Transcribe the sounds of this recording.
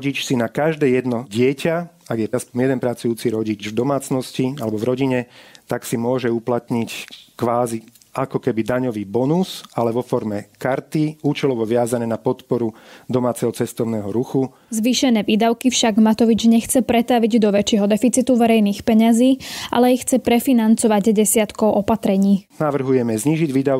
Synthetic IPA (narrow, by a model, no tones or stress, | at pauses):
ɟit͡ʃsinakaʒd̪ɛːjɛd̪nɔɟɪɛcaaɡjɛaspɔɲjɛd̪ɛnpɾat͡sujuːt͡siɾɔɟid͡ʒvd̪ɔmaːt͡snɔscialɛbɔvɾɔɟiɲɛt̪aksimʊɔʒɛuplat̪ɲickʋaːzi | ʔakɔkɛbid̪aɲɔʋiːbɔnusalɛʋɔfɔɾmɛkaɾt̪iuːt͡ʃɛlɔʋɔʋɪazanɛːnapɔt̪pɔɾud̪ɔmaːt͡sɛɦɔt͡sɛst̪ɔʊnɛːɦɔɾuxu | zʋiːʃɛnɛːʋiːd̪aʊkifʃaɡmat̪ɔʋid͡ʒɲɛxt͡sɛpɾɛt̪aʋiɟd̪ɔʋɛt͡ʃɪɛɦɔd̪ɛfit͡sit̪uʋɛɾɛjniːxpɛɲaziːʔa̰lɛixt͡sɛpɾɛfinant͡sɔʋaɟɟɛsɪat̪kɔʊʔɔpat̪ɾɛɲiːnaʋr̩ɦujɛmɛzɲiːʒiɟʋiːd̪a